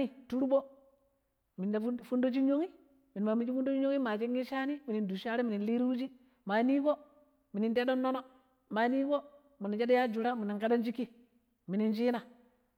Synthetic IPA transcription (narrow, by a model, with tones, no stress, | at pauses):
i˦tu˦ɾu˦bo˦ | mi˨na˨˦fu˦ndo˦d͡ʒi˦ɲo˦ŋi˦ | mi˨n˨ma˨mi˨d͡ʒi˦fu˦n˦do˦d͡ʒi˦ɲo˦ŋi˦ma˨d͡ʒi˦ŋi˦ʃa˦ni˦mi˨ni˨ndu˨ʃa˦ɾe˦mi˨ni˨nli˦ɾi˦wu˦d͡ʒi˦ | ma˨˦ni˦ko˦ | mi˨ni˨nte˦ɗo˦nːo˦no˦ | ma˨˦ni˦ko˦ | mi˨ni˨t͡ʃa˦da˦ja˦d͡ʒu˨ɾa˦mi˨ni˨ŋka˦da˦nd͡ʒi˦kːi˦ | mi˨ni˨nt͡ʃi˦na˨